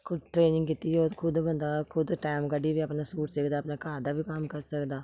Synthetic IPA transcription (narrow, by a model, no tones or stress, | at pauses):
kʰʊd̪ʈɾeːnɪ̃ŋɡkɪt̪iːoːkʰʊd̪bənd̪aːkʰʊd̪ʈaːmkəɖiːʋiːəpnaːsuːʈsɪkʰd̪aːpnaːkaːd̪aːbiːkəmkəɾsəkd̪aː